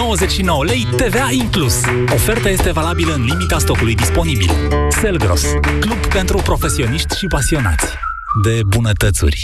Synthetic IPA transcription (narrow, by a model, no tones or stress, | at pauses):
owəzet͡ʃʃino̞wəlejt̪e̞veaiŋklus | o̞fe̞rt̪aje̞st̪e̞valabiləɨnlimit̪ast̪o̞kulujd̪ispo̞nibḭlse̞lɡɾo̰sklubpe̞nt̪ɾupɾo̞fe̞sio̞niʃt̪ʲʃipasio̞na̰t̪sʲ | d̪e̞bunət̪ət̪sṵrʲ